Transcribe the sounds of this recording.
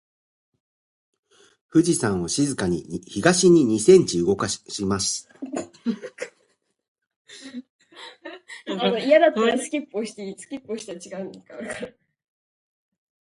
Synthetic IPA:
ɸɯ̟ʑisãɰ̃o̞ɕizɨkaɲ̟ḭçiɡaɕiɲ̟iɲ̟isẽ̞ɲ̟t͡ɕiɯ̟ɡo̞kaɕimasɨ̥ | anoijad̪at̪ːaɾasɨ̥kʲipːoɕi̥t̪eisɨ̥kʲipːoɕi̥t̪aat͡ɕiɡaɯ̃neskak

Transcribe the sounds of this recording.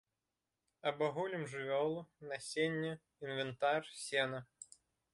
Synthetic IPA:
ɐbɐɣulʲimʐɨvʲɔlˠʊnɐsʲenʲːʊ | invɨnt̪arsʲɛnɐ

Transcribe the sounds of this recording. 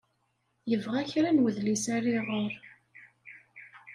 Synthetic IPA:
jəvʁæçɾænwəðlisæriʁəɾ

